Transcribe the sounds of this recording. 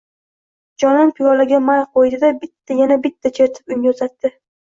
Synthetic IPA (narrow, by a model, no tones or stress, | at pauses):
d͡ʒɒnɪnpʰɪɒlaɡʲamajqʰod̪ɪd̪abɪt̪ʰːajanabɪt̪ʰːat͡ʃʰe̞ɾt̪ʰɪ̥pʊŋɡʲozat̪ːɪ